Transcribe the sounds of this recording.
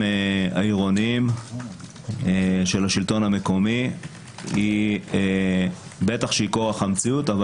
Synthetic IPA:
ea̰iʁo̞niim | eʃe̞laʃilt̪o̞name̞ko̞mi | i | be̞t̪aχʃeikoʁaχamt͡siut̪av

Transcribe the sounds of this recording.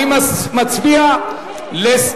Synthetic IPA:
imamat͡sbia | les

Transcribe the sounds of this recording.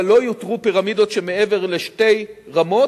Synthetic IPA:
lo̞jot̪ʁupiʁamid̪o̞tʃemeeve̞ʁle̞ʃte̞jʁamo̞

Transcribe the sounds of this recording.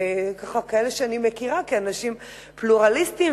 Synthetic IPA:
kaχakaeleʃeanimekiʁakeanaʃim | pluʁalist̪im

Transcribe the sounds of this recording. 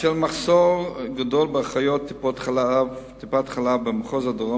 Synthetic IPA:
ʃelmaχsoʁɡadolbeaχajot̪ːipot̪χalat̪ipat̪χalabemaχozad̪oʁo

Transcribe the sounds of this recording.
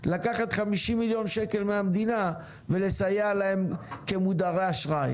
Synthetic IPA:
lakaχat̪χamiʃimiljo̞nʃe̞ke̞lmeamd̪ina | vele̞sajalaemke̞mud̪aʁeaʃʁaj

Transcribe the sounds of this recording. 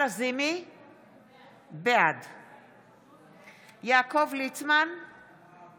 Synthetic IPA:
azimi | bead̪ | jaːkovlit͡sman

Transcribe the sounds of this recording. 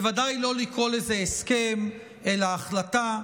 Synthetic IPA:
vadajlo̞liko̞lezeeske̞m | e̞laːχlata

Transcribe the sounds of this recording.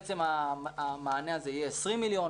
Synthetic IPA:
t͡semamaːneazeijeːsʁĩmilijon

